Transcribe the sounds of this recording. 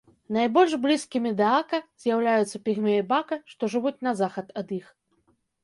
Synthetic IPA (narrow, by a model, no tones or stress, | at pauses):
najbɔlʲʐblʲiskʲimʲid̪ɛakɐz̥ʲjawlʲajut̪sːɐpʲiɣmʲɛbakɐʂt̪ɔʐɨvut͡sʲnɐzaxɐt̪ɐd̪ix